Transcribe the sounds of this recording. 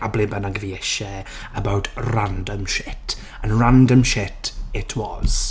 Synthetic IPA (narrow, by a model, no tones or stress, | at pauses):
ablɪbanaɡviɛʃɛ | əbawtʰrãndə̃mʃɪt | ə̃nɹãndə̃mʃɪtʰɪtʰwɔz̥